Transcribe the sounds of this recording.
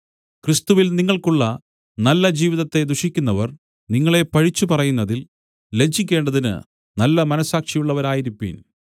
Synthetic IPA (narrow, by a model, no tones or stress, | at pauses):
krist̪uʋilniŋːɐɭkuɭːɐ | nɐlːɐd͡ʑiːʋiðɐt̪ːe̞d̪uʂikʲːunːɐʋɐr | niŋːɐɭe̞pɐɻit͡ɕːupɐrɐjunːɐðil | le̞d͡ʑːikʲːe̞ːɳɖɐðinɨ̰ | nɐlːɐmɐnɐsːaːkʂɐjuɭːɐʋɐɾaːjiɾipːḭːn